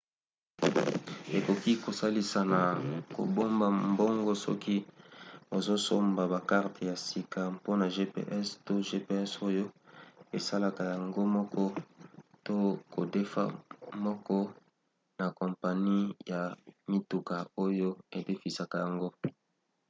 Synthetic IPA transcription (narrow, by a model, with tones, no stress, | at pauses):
e˨ko˨ki˦ko˨sa˦li˦sa˨na˨ko̰˨bo˦mba˨mbo˦ŋɡɔ˦sɔ̰˦ki˦ | o˨zo˦so˦mba˨ba˨ka˦ʁtʰe˨ja˨si˨ka˨po˦na˨ʒe˦pḛ˨˦ʔɛ˦sto˦ʒe˦pe˦ɛ˦so˦jo˦e˨sa˦la˦ka˨ja˨ŋɡo˦mɔ˦kɔ˦to˦ko˨de˦fa̰˦mɔ˦kɔ˦ | na˨ko˨mpa˨ni˦ja˨mi˦tu˨ka˨o˦jo˦e˨de˦fi˨sa˨ka˨ja˨ŋɡo˦